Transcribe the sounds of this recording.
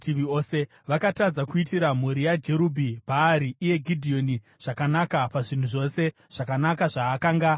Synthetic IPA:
tiʋioːse̞ | ʋakatad͡zakuitiɾam̤uɾijad͡ʒe̞ɾubʱibʱaːɾiːje̞ɡʱidʱio̞ni | ʐ̥akanakapaʐin̤uʐo̞se̞ | ʐ̥akanakaʐaːkaːŋɡa

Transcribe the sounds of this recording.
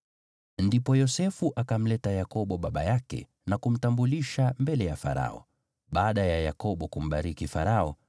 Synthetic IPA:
ndipɔjɔsɛfuʔakam̩lɛtajakɔɓɔɓaɓa̰jakɛ̰ | nakum̩tambuliʃambɛlɛjafa̰ɾa̰ɔ̰ | ɓaːɗajajakɔɓɔkum̩ɓaɾikifa̰ɾaɔ

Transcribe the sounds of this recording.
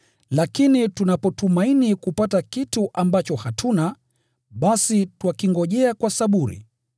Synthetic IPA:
lakinitunapɔtumainikupatakituʔambat͡ʃɔhatʰuna | ɓasitwakiŋɡɔʄɛakwasaɓuɾḭ

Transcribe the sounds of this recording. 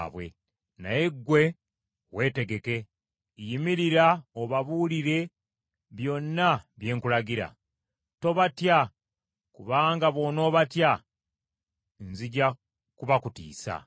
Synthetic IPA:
βwe̞̰ | najeɡwe̞ | we̞ːte̞ɡe̞ke̞ | jimiɾiɾaoβaβuliɾe̞ | βjo̞nːaβje̞ːŋkulaɡiɾa̰ | to̞βatja | kuβaːŋɡaβo̞no̞ːβatja | nziɟa | kuβakutḭːsa̰

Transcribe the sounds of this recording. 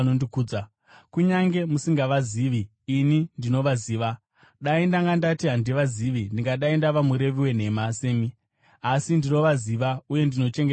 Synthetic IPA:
nondikuːd͡za | kuɲaŋɡe̞musiŋɡaʋaziʋiː | nindino̞ʋaziːʋa | ɗaindaŋɡandatiɦandiʋaziʋindiŋɡaɗaindaʋamuɾe̞ʋiwe̞n̤e̞mase̞ːmi | asindino̞ʋaziʋauje̞ndino̞t͡ʃe̞ŋɡe

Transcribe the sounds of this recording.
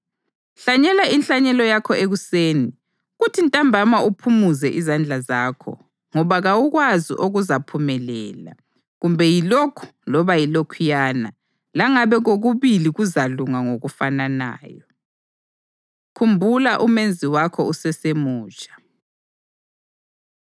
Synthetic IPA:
ɬaɲɛlainɬaɲɛlɔjakʰɔeɣuseːni | ɣutʰintʼambʱamaupʰumuzɛʔizand͡ɮʱazaːkʰɔ̰ | ŋɔβaɣawuɣwazḭʔoɣuzapʰumɛlɛːla̰ | ɣumbʱɛjilokʰu̥lɔβajilokʰujaːna̰ | laŋaβɛɣoɣuβiliɣuzaluŋaŋoɣufanana̰ːjɔ | kʰumbʱulaʔumend͡zʱiwakʰɔusɛsemuːt͡ʃʼḁ

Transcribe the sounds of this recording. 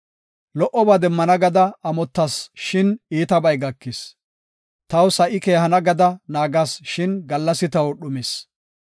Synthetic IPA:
lɔʔɔbaːd̪ɛmːɐnɐɡɐd̪ɐɐmɔt̪ːɐsʃɪniːt̪ɐbɐjɡɐkːɪs | t̪ɐwsɐʔɪkeːhɐnɐɡɐd̪ɐnaːɡasʃɪnɡɐlːɐsɪt̪ɐwɗʊmɛs

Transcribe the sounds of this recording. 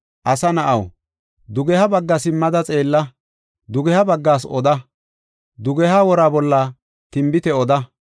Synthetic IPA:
ʔɐsɐnɐʔɐw | d̪ʊɡɛhɐbɐɡːɐsɪmːɐd̪ɐt͡sʼe̞ːlːɐ | d̪ʊɡɛhɐbɐɡːaːsɔ̰d̪ɐ | d̪ʊɡɛhaːwɔɾaːbɔlːɐ | t̪ɪmbɪt̪ɛɔd̪ɐ

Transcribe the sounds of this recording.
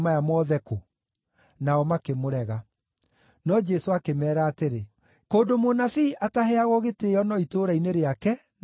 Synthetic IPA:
majamɔðɛko | naɔmakemoɾɛɣa | nɔd͡ʒɛsoakemɛːɾaːteɾe | koːndomonafiʔataɦɛaɣɔɣeteːɔnɔitoɾaineɾeakɛ

